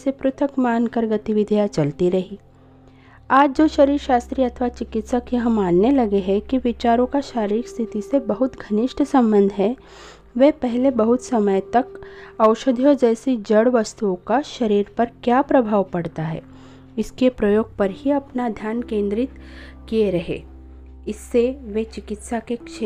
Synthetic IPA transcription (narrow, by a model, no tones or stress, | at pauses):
sepɾʊt̪ʰəkmaːnkəɾɡɐt̪iʋɪd̪ʱjat͡ʃɐlt̪iɾɐɦiː | aːd͡ʒd͡ʒoːʃɐɾiːɾʃaːst̪ɾiɐt̪ʰʋat͡ʃɪkɪt̪səkjɐɦmaːnːelɐɡeɦɛ̃kiʋɪt͡ʃaːɾõkaʃaːɾikst̪ʰɪt̪isebɐɦʊt̪ɡʱɐnɪʃʈʰsɐ̃mbə̃nd̪ʱɦɛ | ʋeːpɛɦlebɐɦʊt̪sɐməjt̪ɐkɐʊʃəd̪ʱiɔːɾd͡ʒɛːsid͡ʒɐɽʋɐst̪uõkaʃɐɾiːɾpɐɾkjaːpɾɐbʱaːʋpɐɽt̪aɦɛ̰ː | ɪskepɾɐjoːɡ̚pɐɾhiɐpnad̪ʱjaːnkẽːnd̪ɾɪt̪kieɾɐɦḛː | ɪsːeʋet͡ʃɪkɪt̪sakekʃ